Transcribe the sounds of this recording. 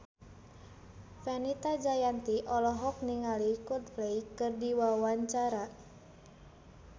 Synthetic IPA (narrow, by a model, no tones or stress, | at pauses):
fɛnit̪ad͡ʒajant̪iʔɔlɔɦɔk̚niŋalikut̪̚plejkɨrdiwawaɲt͡ʃaɾa